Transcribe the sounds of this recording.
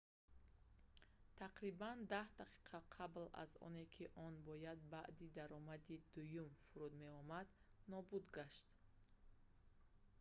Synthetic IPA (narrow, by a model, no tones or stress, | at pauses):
t̪ʰaqɾiband̪ahd̪aqʰi̥qʰaqʰabla̰zɔ̰ne̞kʰiʔɔnbɔjad̪̚baʔd̪id̪aɾɔmad̪id̪ujumfuɾud̪me̞ɔmad̪ | nɔbud̪ɡaʃt̪